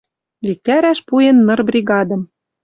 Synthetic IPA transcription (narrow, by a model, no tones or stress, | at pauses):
lʲik̪æɾæʃpujenːɤ̆rbrʲiɣɑd̪ɤ̆m